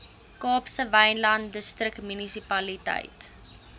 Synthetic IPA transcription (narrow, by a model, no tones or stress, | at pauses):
kɑːpsəvɐjnlɐndəstrəktmynisipɐlitɐ̰jt